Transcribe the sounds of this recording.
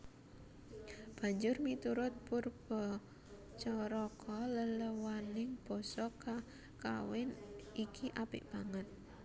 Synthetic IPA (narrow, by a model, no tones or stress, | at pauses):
b̥a̤ɲd͡ʒʊrmit̪uɾʊt̪̚purb̥ɔ | t͡ʃɔɾɔkʰɔlələwanɪŋb̥ɔ̤sɔka | kawɪnikʰiʔapɪʔb̥aŋat̪̚